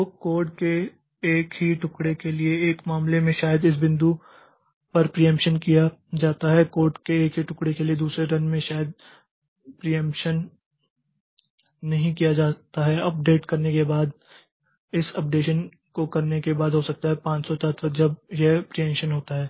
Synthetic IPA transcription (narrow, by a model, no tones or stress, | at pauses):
t̪oːkoːɾɖkeː | kɦiʈʊkɽekelieːkmaːmlemẽʃaːjəd̪ɪs̬bɪ̃nd̪u | pɐɾpɾijɛ̃mpʃənkijad͡ʒaːt̪aɦɛkoːɾɖkeːkɦiʈʊkɽekelied̪uːsɾeɾɐ̃nmẽʃaːjəd̪̚ | pɾijə̃mpʃən | ɐɦĩkijad͡ʒaːt̪aɦɛɐp̚ɖeːʈkɐɾnekebaːd̪ | ɪsɐp̚ɖeːʃən | kokɐɾnekebaːd̪ɦosɐk̚t̪aɦɛpãːt͡ʃsɔt̪ət̪əd͡ʒɐb̚jepɾijɛ̃mʃənɦoːt̪aɦɛː